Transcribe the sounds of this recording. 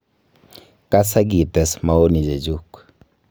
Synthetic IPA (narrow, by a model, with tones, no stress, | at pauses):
ka˦sa˦ɡi˨tɛ˨sma˨o˦ni˨d͡ʒe˨d͡ʒu˦k